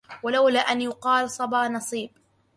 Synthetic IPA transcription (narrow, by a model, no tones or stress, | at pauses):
walawlaːʔanjʊqɑːlsˤɑbɑːnɑsˤiːb